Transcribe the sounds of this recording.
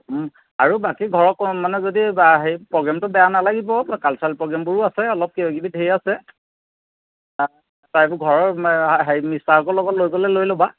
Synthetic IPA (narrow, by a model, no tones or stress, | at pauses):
aɹubakiɡʱɔɹɔmanɛzodiɦejpɹɔɡɹɛmtʊbɛjanalaɡibɔkalsalpɹɔɡɛmbuɹʊasɛɔlɔp̚kebaɡibidʱʰejasɛ | tajbʊɡʱɔɹɔɹɦejmistaɦɔkɔlɔɡɔtlojbɔlɛlojloba